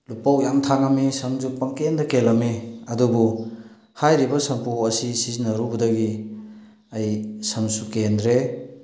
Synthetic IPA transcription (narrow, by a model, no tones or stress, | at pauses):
lupːawjamtʰaŋamisɐmzupːɐŋkendɐkelɐmeɐdubu | hajɾibɐsɐmpuɐsisizinɐɾubɐdɐɡi | ɐjsɐmsukendɾe